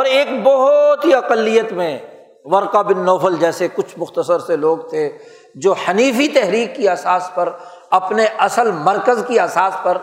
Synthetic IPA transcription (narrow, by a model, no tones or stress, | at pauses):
ɔːɾeːkbɔɦʊt̪ɦiɐqəlːijət̪mẽ | ʋɐɾqabɪnːɔːfəld͡ʒɛːsekʊt͡ʃʰmʊxt̪əsəɾseloːɡt̪ʰe | d͡ʒoːhɐniːfit̪ɛɦɾiːkːiɐsaːspɐɾ | ɐpneʔɐsəlmɐɾkəzkiɐsaːspɐɾ